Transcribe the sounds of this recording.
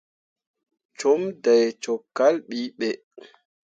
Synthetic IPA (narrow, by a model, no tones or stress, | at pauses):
t͡ʃɔmdajt͡ʃɔkːalɓiɓɛ